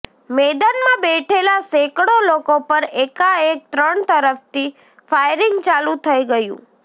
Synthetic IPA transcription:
med̪anmãbɛʈʰelasekɽolokopəɾekaek̚t̪ɾəɳt̪əɾəft̪i | fajɾɪŋɡt͡ʃalũt̪ʰəiɡəjṵ̃

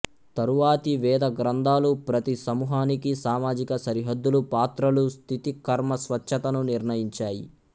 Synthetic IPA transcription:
t̪ɐɾuʋaːt̪iʋɛːd̪ɐɡɾɐnd̪ʱaːlupɾɐt̪isɐmuːɦaːnikisaːmaːd͡ʒikɐsɐɾiɦɐd̪ːulupaːt̪ɾɐlust̪ʰit̪ikɐɾmɐsʋɐt͡ʃːʃʰɐt̪ɐnuniɾnɐjiɲt͡ʃaːjḭ

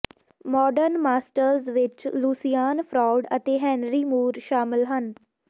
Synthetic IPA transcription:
mɔːɖəɾnmaːsʈəɾzʋɪt͡ʃluːsijaːnpʰɾɔːɖət̪eːɦɛ̃ːnɾiːmuːɾʃaːmɪlɦən

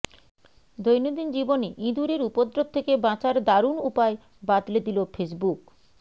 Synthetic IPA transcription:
d̪ojnid̪ind͡ʑiboneʔĩd̪uɾeɾupod̪ɾot̪ʰːekebãt͡ɕaɾd̪aɾunupae | bat̪led̪ilofʰes̬buk

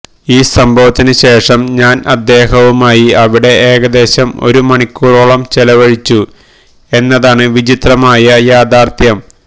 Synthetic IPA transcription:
iːsɐmbʱɐʋɐt̪ːinɨɕe̞ːʂɐmɲaːnɐd̪ːe̞ːɦɐʋumaːjiɐʋiɽe̞eːɡɐd̪e̞ːɕɐmo̞̰ɾumɐɳikʲːuːroɭɐmt͡ɕelɐʋɐɻit͡ɕːu | e̞nːɐðaːɳɨʋid͡ʑit̪rɐmaːjɐjaːd̪aːrt̪ʰjɐm

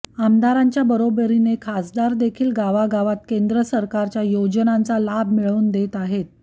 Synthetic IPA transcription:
amd̪aɾaɲt͡ɕjabəɾobəɾinekʰasd̪aɾd̪ekʰiːlɡaʋaɡaʋat̪̚kend̪ɾəsəɾkaɾt͡ɕjajod͡ʑənant͡salabmiɭəuːnd̪et̪aɦet̪̚

